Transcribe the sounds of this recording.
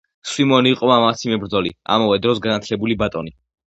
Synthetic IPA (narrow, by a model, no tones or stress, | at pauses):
swimɔniːqʼɔmamat̪sʰimɛbɾd̪zɔlḭa̰mavɛd̪ɾɔsɡanat̪ʰlɛbulibat̪ʼɔni